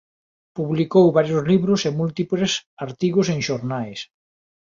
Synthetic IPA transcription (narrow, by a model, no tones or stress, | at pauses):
puβlikowβaɾjʊzliβɾʊsemult̪iplesaɾt̪iɣʊseŋʃoɾnajs